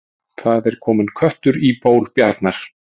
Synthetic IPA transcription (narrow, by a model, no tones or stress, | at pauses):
θaðɛɾ̥kʰɔːmɪnkʰvœht̪ʏɾipoːwlpjaɾt̪naɾ̥